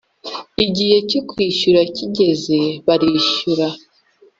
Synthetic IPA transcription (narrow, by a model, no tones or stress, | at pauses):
iɟihe̞cokwiːʃuɾaciɟe̞ze̞βaɾiːʃuɾa